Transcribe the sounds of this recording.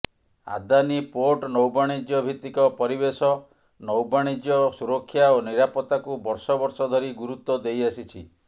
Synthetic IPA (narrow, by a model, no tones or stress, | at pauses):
a̰d̪anipoʈnɔwbaɽ̃id͡ʒjɔbʱit̪ːikɔpɔɾibesɔ | nɔwbaɽ̃id͡ʒjɔsuɾɔkʰːjaoniɾapɔt̪akubɔɾsɔbɔɾsɔd̪ʱɔɾiɡuɾut̪ːɔd̪ejasit͡ʃʰi